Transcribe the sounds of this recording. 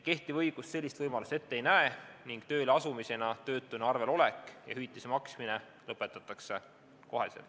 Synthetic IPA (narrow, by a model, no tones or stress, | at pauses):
ke̞ht̪ivɤjɡ̥ust̪se̞lʲːist̪vɤjmɑlust̪e̞t̪ːeejnæeniŋɡ̥t̪ø̞ːleɑsumise̞nɑt̪ø̞ːt̪ˑːuneɑrve̞lo̞le̞kːˑjɑ̰hyjt̪ːˑisemɑksmine̞ | lɤpːˑe̞t̪ːˑɑt̪ːˑɑkse̞ | ko̞ɦḛsḛl